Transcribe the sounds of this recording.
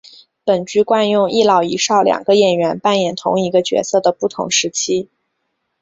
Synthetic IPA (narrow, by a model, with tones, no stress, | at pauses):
pə˨˩nt͡ɕy˥kwa˥˧njʊ˥˧ŋi˥˩lɑ˥˩ʊi˧˥ʂɑ˥˩ʊljɑ̰˨˩ŋɡ̥ə˦jɛ˨˩nɥɛ˧˥npa˥˩njɛ˨˩nt̪ʰʊ̰˧˥ŋi˧˥ɡə˧t͡ɕɥɛ̰˧˥sɤ˥˩d̪ə˩pu˥˩t̪ʰʊ̰˧˥ŋʂɻ̩˧˥t͡ɕʰi˥